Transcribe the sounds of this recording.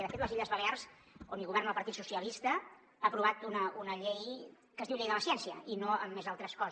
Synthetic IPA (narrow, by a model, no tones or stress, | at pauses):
ɛðəfet̪ləziʎəzβəlearz | onilɣuβɛɾrnðəlpəɾt̪it̪susiəlist̪ə | aəpɾuβat̪unəunəʎej | kəzðiwʎejðələsjɛnsiəinoə̰mːezalˠt̪ɾəskɔz